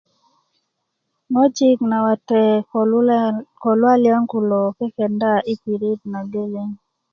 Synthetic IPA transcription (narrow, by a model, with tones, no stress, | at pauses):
ŋo˦d͡ʒi˦kna˨wa˨tɛ˨ | kɔ˨lwa˦lja˦ŋku˨lɔ˨kɛ˦kɛ˨nda˦ʔi˦pi˨ɾi˦d̚na˨ɡe˦le˦ŋ